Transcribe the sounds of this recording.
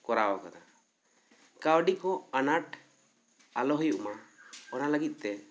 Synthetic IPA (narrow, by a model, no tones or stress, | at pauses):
kɔɾawakana | kawɖikɔanaʈ | alɔɦujuʔmaɔnaləɡit̪̚ˀt̪ɛ